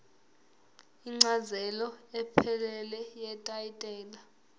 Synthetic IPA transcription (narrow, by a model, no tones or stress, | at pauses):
iŋ͡ǀazɛlɔɛpʰɛlɛlɛjɛtʼaitʼɛːla